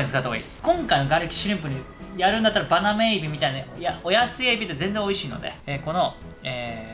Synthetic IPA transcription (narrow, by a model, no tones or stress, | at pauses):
nskat̪oβa̰ḭsɨ̥kõ̞ŋkaino̞ɡaɾekʲi̥ɕiɾʲĩmpɯ̟ɲ̟i | jaɾɯ̟̃nd̪at̪ːaɾabanameibʲimʲit̪ainajaojasɨebʲit̪ːezẽnd͡zẽo̞iɕiːno̞̰d̪ḛeko̞no̞ | eː